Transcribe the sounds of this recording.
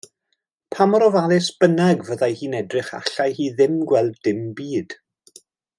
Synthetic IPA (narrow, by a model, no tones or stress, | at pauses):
pʰamɔɾɔvalˠɪsb̥ənaɡvəðajhiːnɛdrɪχa̰ɬajhiːðɪmɡwɛlˠddɪmbiːd̥